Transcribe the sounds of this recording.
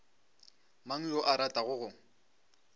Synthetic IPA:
maŋ̩jɔʔaɾatʼaɣʊɣʊ

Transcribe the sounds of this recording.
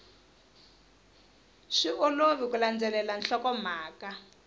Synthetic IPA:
ʂiʔoloβikuland͡zɛlɛlanɬɔkɔmaːka

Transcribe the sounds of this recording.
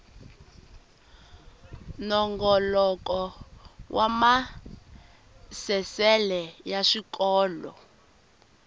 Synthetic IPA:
nɔŋɡɔlɔk̬ʼɔwʔama | sɛsɛlɛjaʃikʼɔːlɔ̰

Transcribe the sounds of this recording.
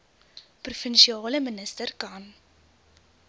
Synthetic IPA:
prufənʃiɑːləmənəstərkɐn

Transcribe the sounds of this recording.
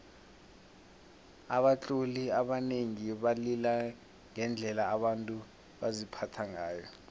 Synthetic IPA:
aɓat͡ɬʼuliaɓaneŋiɓalila | ŋɛnd͡ɮʱɛlaːɓantʼu | ɓazipʰatʰaŋaːjɔ

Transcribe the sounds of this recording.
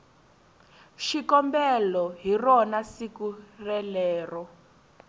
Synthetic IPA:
ʃikɔmbɛlɔɦirɔnasikurɛlɛːrɔ

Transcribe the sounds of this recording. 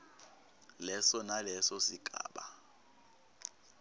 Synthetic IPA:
lɛsɔnalɛsɔsiɡʱʼa̰ːɓa

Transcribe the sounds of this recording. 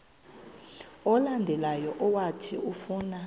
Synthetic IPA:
ɔlandʱɛlajɔʔɔwatʰḭufuːna

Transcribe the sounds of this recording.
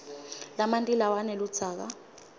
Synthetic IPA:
lamantʼilawanɛlu̥d͡z̥ʰʱaːk̬a̰

